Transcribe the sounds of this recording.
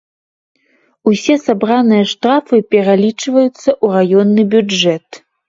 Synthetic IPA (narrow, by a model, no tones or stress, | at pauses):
usʲɛsabɾanɨjɐʂt̪ɾafɨpʲɛɾalʲit͡ʂvɐjut̪sːɐʔurajɔnːɨbʲud͡ʐɛt̪